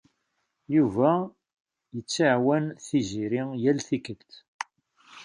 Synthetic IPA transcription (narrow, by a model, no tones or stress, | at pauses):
juvæ | jət͡sːaʕwænθiziɾɪjælθikəlt̪